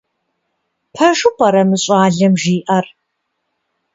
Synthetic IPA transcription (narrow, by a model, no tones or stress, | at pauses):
pʰɐʒupʷʼɐɾɐmɨɕʼɑːɮɐmʒiːʔɐr